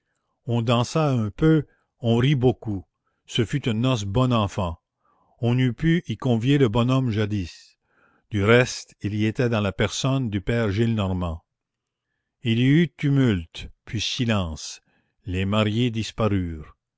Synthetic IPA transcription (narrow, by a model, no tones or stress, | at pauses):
ɔ̃d̪ɑ̃saɛ̃pø | ɔ̃ʁiboku | səfyt̪ynnːɔs̬bɔnɑ̃fɑ̃ | ɔ̃nypyʔikɔ̃vjeləbɔnɔmʒad̪is | d̪̥yʁɛst̪iliet̪ɛd̪ɑ̃lapɛʁsɔnd̪ypɛːʁʒilnɔʁmɑ̃ | iliyt̪ymylt̪pʰɥisilɑ̃ːs | lemaʁjed̪ispaʁyːʁ